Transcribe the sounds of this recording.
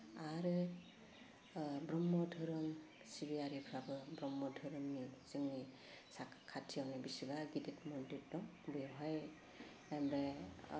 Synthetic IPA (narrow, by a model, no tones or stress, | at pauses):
aɾɯ | bɾɔmːɔdʱɯɾɯŋ | sibijaɾipʰɾabɯbɾɔmːɔdʱɯɾɯmniz̥ɯŋni | sakʰkʰːatʰijanɛbisibaɡiditmɔnditdɔŋbɯjɔɦaj | ɛmbɛ